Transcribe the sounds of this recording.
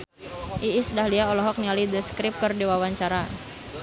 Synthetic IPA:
ʔiisudahliaɔlɔɦɔk̚nialidəskɾip̚kɔrdiwawaɲt͡ʃaɾa

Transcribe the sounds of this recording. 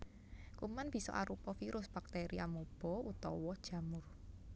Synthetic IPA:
kumanb̥i̤sɔ̰ʔaɾupɔfiɾʊsb̥a̤k̚t̪eɾiamob̥ɔ̤ut̪ɔwɔd̥ʒ̥ä̤mʊr

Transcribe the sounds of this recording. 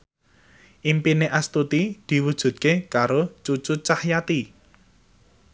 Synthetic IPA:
ʔimpineʔast̪ut̪id̪̥i̤wud̥ʒ̥ṳt̪̚kekaɾot͡ʃut͡ʃut͡ʃahjat̪i

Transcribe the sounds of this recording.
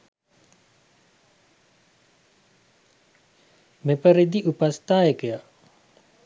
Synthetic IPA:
mepəɾed̪iʔupast̪aːjəkəja

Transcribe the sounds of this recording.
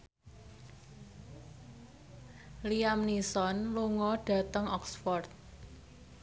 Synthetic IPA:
liamnisɔnluŋɔɖ̥ä̤t̪əŋɔksfɔrt̪̚

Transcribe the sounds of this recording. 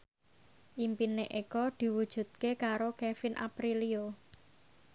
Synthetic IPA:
ʔimpineʔekɔd̪̥i̤wud̥ʒ̥ṳt̪̚kekaɾokefɪnʔa̰pɾilio

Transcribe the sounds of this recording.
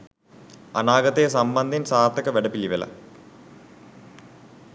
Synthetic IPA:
ɐnaːɡɐt̪ːesɐmbɐnd̪ʱinsaːrt̪ːɐkːɨʋeɽɐpːiliʋɐlɐ̰

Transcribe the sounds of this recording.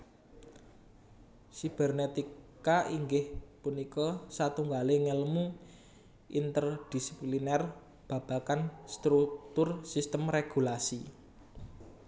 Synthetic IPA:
sib̥ɛrnet̪ikkaʔiŋɡɪhpunikɔsat̪uŋɡaleŋələmu | ʔint̪ərd̪̥i̤si̥plinɛr | b̥a̤b̥a̤kanst̪ɾuk̚t̪ʊrsist̪əmreɡ̥ṳlasi

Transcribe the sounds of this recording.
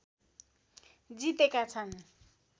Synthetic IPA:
d͡zit̪ekat͡sʰan

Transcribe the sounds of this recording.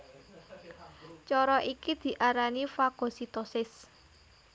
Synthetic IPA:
t͡ʃɔɾɔʔikid̪̥i̤ʔaɾanifaɡ̥o̤sit̪ɔsɪs

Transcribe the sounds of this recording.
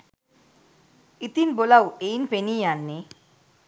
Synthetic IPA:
it̪inbolawejnpenijanːe

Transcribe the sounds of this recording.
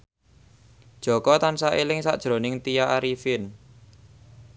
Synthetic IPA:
d̥ʒ̥ɔ̤kɔt̪ansaʔelɪŋsa̰ʔd̥ʒ̥ɾo̤nɪŋt̪ijaʔaɾifɪn

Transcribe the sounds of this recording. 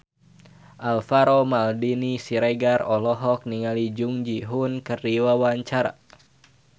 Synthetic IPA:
ʔalfaɾomaldinisiɾɛɡarɔlɔɦɔk̚niŋalid͡ʒuŋd͡ʒiɦunkərdiwawaɲt͡ʃaɾa̰

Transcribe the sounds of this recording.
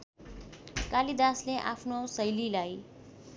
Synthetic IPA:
kalid̪aːsleʔa̰ːpʰnosəjlilai

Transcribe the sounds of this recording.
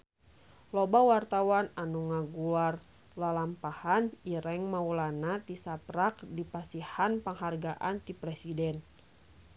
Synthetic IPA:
lɔbawart̪awananuŋaɡuar | lalampahaniɾɛŋmaulanat̪isapɾak̚dipasihanpəŋɦarɡaʔant̪ipɾɛsidɛn

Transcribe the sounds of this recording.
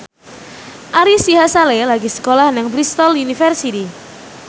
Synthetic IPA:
ʔaɾisiɦasalelaɡisə̥kolahnaŋbɾist̪ɔlunifɛrsit̪i

